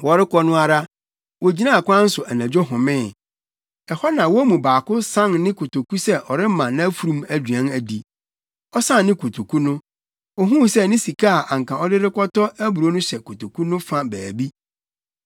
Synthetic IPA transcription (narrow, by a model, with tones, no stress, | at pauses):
wɔ˨ɾɪ˦kʰɔ˦nʊ̃˦a˦ɾa˦ | wɔ˨d͡ʑi˦nã˦˨kʷã˦n̩˦sʊ˨ʔæ˨næ̃˨d͡ʑᶣɔ˦ɦʊ̃˨mɪ̃˦˨ | ɛ˨hɔ˦nã˨wɔ˦mũ˨baː˨kʊ˦sã˦ŋnɪ̃˦kʰo˨to˨ku˦sɛ˦ʔɔ˨ɾɪ˦m˦mã˨nã˦æ˦fu˨ɾũ˦mæ˨dɥã˦næ˨di˨ | ɔ˦sã˦nːɪ̃˦kʰo˨tʰo˨kʰu˦nʊ̃˦ | ɔ˨ɦũ˦sɛ˦nɪ̃˦si˨kʰa˦a˨ʔa˨ŋ̩˨kʰã˨ɔ˦dɪ˦ɾɪ˦kɔ˦tɔ˦æ˦bu˨ɾo˦nʊ̃˦ɕɛ˨kʰo˨to˨kʰu˦nʊ̃˦fã˦bæː˨bi˦